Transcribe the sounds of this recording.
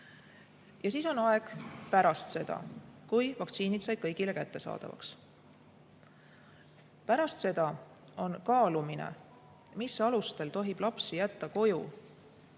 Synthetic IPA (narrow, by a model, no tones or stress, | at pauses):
jɑsiːso̞nɑe̞ɡ̥pæɾɑst̪se̞d̪̥ɑ̰kujvɑkt̪siːnit̪sɑjd̪̥̚kɤjɡ̥ile̞kæt̪ːe̞sɑ̰ːd̪̥ɑ̰vɑ̰ks | pæɾɑst̪se̞d̪̥ɑ | o̞nkɑːluminḛ | misɑlust̪e̞lt̪o̞ɦib̥lɑpsijæt̪ːɑko̞ju